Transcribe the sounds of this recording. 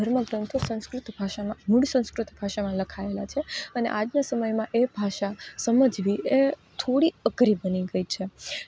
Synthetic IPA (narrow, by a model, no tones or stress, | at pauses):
əɾməɡɾə̃nt̪ʰosə̃w̃skɾʊt̪bʱaʃamãmʊɽsə̃w̃skɾut̪bʱaʃamãləkʰaela̰t͡ʃʰeənḛʔad͡ʒnasəməjmãʔebʱaʃasəməd͡ʒʋiet̪ʰoɽiəɡɾibəniɡəit͡ʃʰe